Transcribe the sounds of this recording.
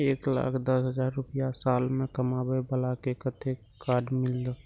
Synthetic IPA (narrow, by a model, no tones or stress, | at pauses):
eːkla̰ːkʰd̪ɐsɦəd͡ʒaːɾːʊpjasaːlmẽkəmaːbəbəlakekət̪ʰe | kaːɖmɪld̪o